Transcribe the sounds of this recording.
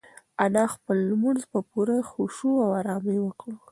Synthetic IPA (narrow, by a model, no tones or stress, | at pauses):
anɑxpəlːmunzbəpuɾaxuʃuawaɾɑmewəkɽə